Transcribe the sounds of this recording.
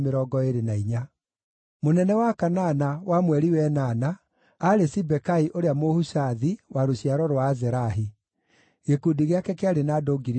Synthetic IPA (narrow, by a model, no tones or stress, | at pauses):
meɾɔɡɔeɾenaiɲa | monɛnɛwakananawamwɛɾiwɛnanaː | ɾesibɛkaiʔoɾeamohusaðiwaɾoɕjaɾɔɾwaːzɛɾaɦi | ɣekudiɣeakɛkeaɾenadoːɡiɾ